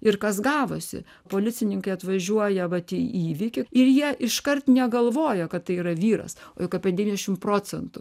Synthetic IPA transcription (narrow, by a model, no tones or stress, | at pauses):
ɪrkɐsɡɑːʋosʲɪ̰ | poːlʲɪt͡s̪ʲɪnʲɪŋkɐɪɐt̪ʋɐʒʲuɔjɛʋɐt̪ʲiːiːʋʲɪkʲɪɪɾjiɛʔɪʃkɐrt̪nʲɛɡɐlˠʋoːjɛkɐt̪t̪ːɐɪiːɾɐʋʲiːɾɐ̰soːjɪkɐpʲɛd̪ʲɛʋʲindʲɛʃʲɪmpɾoːt͡sʲɛnt̪ʊ